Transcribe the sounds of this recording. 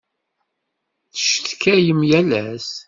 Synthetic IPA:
θə̥ʃt̪kʰːæjəmjælæs

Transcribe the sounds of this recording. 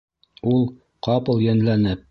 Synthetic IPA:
ulˠ | qʰɑpɤ̆lˠjænlænɘp̚

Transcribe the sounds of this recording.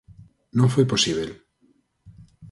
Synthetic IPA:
nõŋfweposiβel

